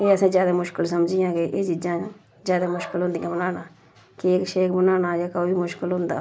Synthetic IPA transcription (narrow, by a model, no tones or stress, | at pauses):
eːəsãːzjaːd̪aːmʊʃkəlsəmd͡ʒiːjãːkɪʔeːd͡ʒiːd͡ʒãː | zjaːd̪aːmʊʃkəlɦʊ̃nd̪ijãːbənaːnaː | kɪkʃeːkbənaːnaːjaːkəoːʋiːmʊʃkəlɦʊ̃nd̪a̰ː